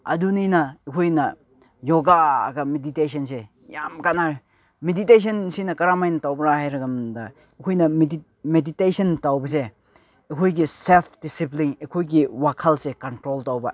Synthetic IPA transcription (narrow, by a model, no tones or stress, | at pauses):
a̰duninɐekʰojnɐ | joɡa̰ːɡɐmedites̬ʰɐnse | jamkanaɾ | meditejs̬ɐnsinɐkɐɾamajnɐtawbɐɾahajɾɐɡɐmda̰ | ikʰojnɐmi | meditejsɐntawbɐs̬eː | kʰojɡiselpʰd̥isiplinekʰojɡiwakʰalsekɐntɾoltawbɐ̰